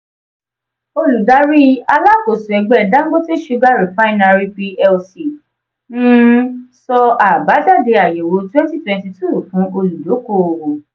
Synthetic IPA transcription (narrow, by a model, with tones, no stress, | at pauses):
o˧lu˨da˨˦ɾi˦a˧la˦ko˨sũ˨ɛ˨˧ɡ͡bɛ˦˨dã˦ɡo˦ti˦ʃu˦˧˦ɡa˦˨ɾi˨fa˦i˦na˧ɾi˧pi˧ɛ˧lsi˨ | ñ̩˦sɔ˧a˨ba˨˦da˦˨de˧a˨je˨wo˨˧˦twɛ̃˦nti˦twɛ̃˧nti˧tu˦˨fũ˨˦ʔo˧lu˨do˨˦ko˦˨o˧wõ˨